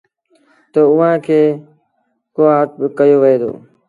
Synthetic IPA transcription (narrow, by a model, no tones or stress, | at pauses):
t̪əʊʋãːkʰeː | koːt̪̚bɪkəjoːʋɪɦeːd̪o̰ː